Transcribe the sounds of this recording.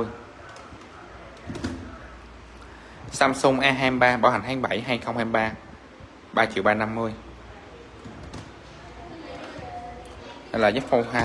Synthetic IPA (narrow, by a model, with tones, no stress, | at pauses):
əj | saː˧msu˧ŋ͡mʔaː˧ɦaː˧ɓaː˧ɓaː˨˧˦wha˨˩ŋ̟ɦaː˧ŋɓa˧˩jɦaː˧jxə˧wŋ͡mhaː˧ɓaː˧ | ɓaː˧t͡ɕḭ˨˧˨əwɓaː˧na˧mːɨ˧əj | ha˧jlaː˨˩za˦˥t̚fo˧wɦaː˧